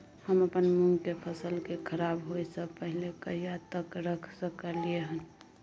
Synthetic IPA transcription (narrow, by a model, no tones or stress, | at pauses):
həməpənmuŋɡkepʰəsəlkekʰəɾabɦojsəpəɦlekəɦijat̪əkɾəkʰsəkəɾlieɦən